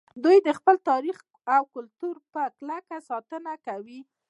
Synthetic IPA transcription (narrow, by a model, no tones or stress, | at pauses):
d̪ujd̪əxpəlt̪ɑɾix | awkʊlt̪uɾpəklakasɑt̪ənakawi